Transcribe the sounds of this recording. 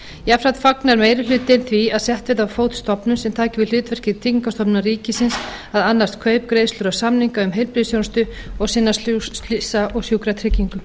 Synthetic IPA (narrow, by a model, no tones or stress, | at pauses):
jafɾat̪faknaɾmeːjɾɪlʏːt̪ɪnθviaðsjɛht̪vɪðawfoːwt̪st̪ɔpnʏsɛmt̪ʰaːcɪvɪðlʏːt̪vɛr̥cɪðt̪ʰiŋkast̪ɔpnaɾiːcɪsɪns | aðanːast̪kʰœːɥp̚kɾejðslʏɾasamniŋkaʏmɦejlpɾɪðsjownst̪ʏ | ɔɣsɪnːasɪsaʔɔɣsjuːkɾat̪ʰɾɪcːiŋkʏ